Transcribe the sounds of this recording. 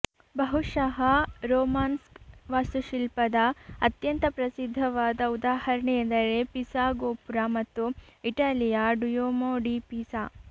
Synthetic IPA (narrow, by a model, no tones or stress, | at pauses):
bɐɦuʂɐɦɐɾoːmaːnskʋaːst̪uʃilpɐd̪ɐɐt̪jɐnt̪ɐpɾɐsid̪ʱːɐʋaːd̪ɐud̪aːhɐɾɐɳejɐnd̪ɐɾepisaːɡoːpuɾaːmɐt̪ːuiʈaːlijaːɖujoːmoːɖipisaː